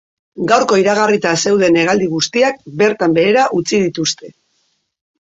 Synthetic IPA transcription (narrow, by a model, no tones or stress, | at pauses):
ɡawɾko̞iɾaɣarit̪ase̞wð̞e̞ne̞ɣald̪iɣ̞ust̪iak̚be̞ɾt̪ambe̞eɾaʔut͡sið̞it̪ust̪e̞